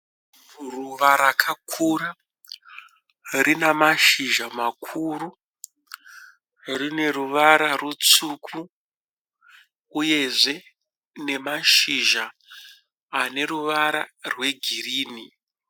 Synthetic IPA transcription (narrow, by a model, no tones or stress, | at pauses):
ruʋaɾakʰakʰura | rinamaʃiʒamakʰuɾu | rine̞ɾuʋaɾarut͡sukʰu | je̞ʐe̞ | ne̞maʃiʒaː | ne̞ɾuʋaɾa̰rwe̞ɡʱiriːni